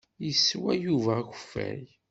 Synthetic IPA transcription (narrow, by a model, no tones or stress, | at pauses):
jəsːwæjuvækʷə̥fːæ̰ɾ